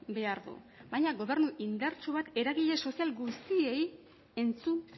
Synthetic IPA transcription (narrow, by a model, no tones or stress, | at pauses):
be̞aɾðṵ | bajɲaɣo̞β̞e̞ɾnuʔind̪aɾt͡ʃuβat̪e̞ɾaɣiʎe̞so̞sialɡust̪ie̞j | e̞nt͡sun